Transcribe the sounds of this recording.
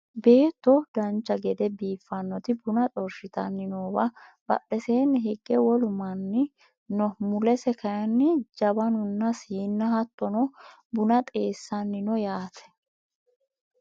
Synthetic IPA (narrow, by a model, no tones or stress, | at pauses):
be̞ːt̪ːɔd̪ɐnt͡ʃːɐɡɛd̪ɛbiːfːɐnːɔt̪ɪbʊnɐt̪ʼɔɾʃɪt̪ɐnːɪnoːbɐb̥ɐ̰ɗɛseːnːɪɦɛɡ̥ːɛwɔlʊmɐnːɪ | nɔmʊlɛsɛkɐjɐnːɪd͡ʒɐbɐnʊnːɐsiːnːɐɦɐt̪ːɔnɔ | bʊnɐt̪ʼe̞ːsːɐnːɪnɔjaːt̪ʰɛ̥